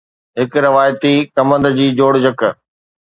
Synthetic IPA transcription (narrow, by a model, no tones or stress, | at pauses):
ɦɪkɾɪʋaːjt̪ikɐmə̃nd̪d͡ʑiːd͡ʑoːɽd͡ʑək